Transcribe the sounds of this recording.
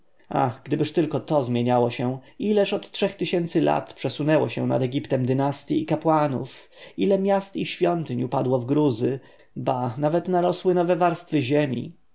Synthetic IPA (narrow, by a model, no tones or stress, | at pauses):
a̰xɡd̪ɘbɘʂt̪ɘlkɔt̪ɔzmʲjeɲawɔɕɛilɛʂɔt̪tʂɛxt̪ɘɕɛnt̪sɘla̰t̪pʂɛsunɛwɔɕɛ̰na̰d̪ɛɡʲipt̪ɛmd̪ɘnast̪ʲjiːkapwanṵf | ilɛmʲjast̪iɕfʲjɔnt̪ɘɲupad̪wɔvɡɾuzɘ | banavɛt̪naɾɔswɘnɔvɛvaɾst̪fɘʑemʲḭ